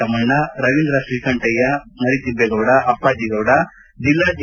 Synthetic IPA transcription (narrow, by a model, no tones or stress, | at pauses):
ɐmɐɳːɐɾɐʋind̪ɾɐsɾiːkɐɳʈɐjɐnɐɽit̪ibːɛɡɐːɽɐʔɐpːaːd͡ʒiɡoːɽɐ | d͡ʒilːaːd͡ʒ